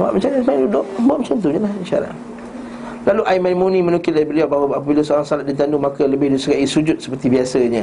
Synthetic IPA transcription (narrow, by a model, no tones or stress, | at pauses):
wa̰ʔmət͡ʃansmajɪŋdudʊʔbaʔmət͡ʃant̪uɲalahiʃaɾa̰t | laluʔaimamunĩmə̃nukɪlaibəliaʔ̚baɦwaapəbilasəoɾaŋsalat̪̚dit̪andumakələbɪhdusəɡaʔisud͡ʒʊt̪̚sə̥pərt̪ibiasəɲə̃